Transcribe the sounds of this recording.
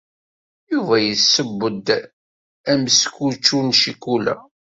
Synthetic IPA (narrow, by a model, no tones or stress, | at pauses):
juvæjəsːəbːəd̪ | æmskut͡ʃːunʃikulæ̰